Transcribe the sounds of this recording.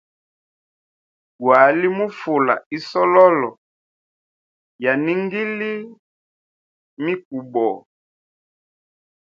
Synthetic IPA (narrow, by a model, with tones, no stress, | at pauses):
ɡwa˨˦li˦mu˦fu˨la̰˨i˦sɔ˦lɔ˦lɔ˨ | ja˨ni˦ŋɡi˦li˦ | mi˦k̚u˨bɔ˨